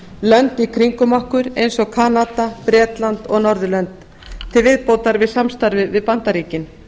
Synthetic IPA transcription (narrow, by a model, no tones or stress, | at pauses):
lœnt̪ikʰɾiŋkʏmahkʏɾejnsɔɣkʰanat̪apɾɛːt̪lant̪ɔɣnɔɾðʏlœnt̪ | t̪ʰːɪlvɪðpoːwt̪aɾvɪðsamst̪aɾvɪvɪðpant̪aɾiːcɪn